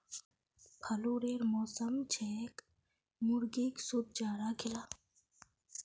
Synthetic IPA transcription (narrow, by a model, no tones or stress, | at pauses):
pʰɐluɾeːɾmɔːsəmt͡ʃʰɛːk | mʊɾɡiːksud̪̚d͡ʒaːɾaɡʰɪlaː